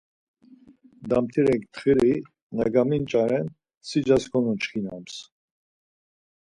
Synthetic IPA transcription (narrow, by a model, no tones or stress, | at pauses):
d̪amt̪ʰiɾɛŋkʰt̪ʰχiɾi | naɡamint͡ʃʼaɾɛn | sid͡ʒaskʰɔnunt͡ʃʰχina̰ms